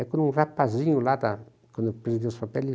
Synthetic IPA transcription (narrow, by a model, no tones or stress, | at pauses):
ɛkõnũrapazĩɲʊlad̪a | kwɐ̃nd̪pɾesiɡiʊspapɛlɪ